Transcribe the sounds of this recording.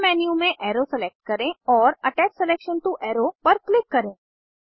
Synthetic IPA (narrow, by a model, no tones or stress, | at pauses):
mɛːnjumẽʔɛːɾosɛleːk̚ʈ̚kɐɾẽɔːɾɐʈɛːt͡ʃsɛleːkʃə̃nʈuʔɛːɾopɐɾklɪkːɐɾẽː